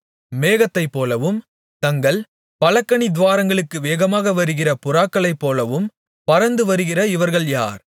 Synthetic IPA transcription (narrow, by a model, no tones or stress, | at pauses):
meːɣɐt̪ːɐɪpːoːlɐʋɯm | t̪ɐŋɡɐɭ | pɐlɐkːɐɳid̪ʋaːɾɐŋɡɐɭɯkːɯʋeːɣɐmaːɣɐʋɐɾɯɣɪrɐpʊraːkːɐɭɐɪpːoːlɐʋɯm | pɐɾɐnd̪ɯʋɐɾɯɣɪrɐɪʋɐɾɣɐɭja̰ːɾ